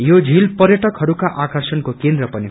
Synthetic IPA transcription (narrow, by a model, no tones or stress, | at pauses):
jod͡zʱilpʌɾjʌʈʌkɦʌɾukaʔakʌrsʌnkokend̪ɾʌpʌni